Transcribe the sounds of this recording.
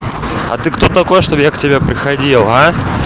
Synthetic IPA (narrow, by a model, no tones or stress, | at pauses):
a̰t̪ɨkt̪ɔt̪ɐkɔjɛʂt̪ɔbjaktʲɪbʲepɾɨxadʲilˠɦa